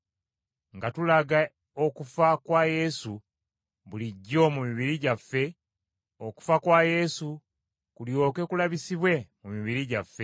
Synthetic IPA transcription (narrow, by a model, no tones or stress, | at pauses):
ŋɡatulaɡa | okufakwaje̞su | βuliɟːo̞mumiβiɾiɟafːe̞ | oku̥fakwaje̞su | kuljo̞ːke̞kulaβisiβwe̞mumiβiɾiɟafːe̞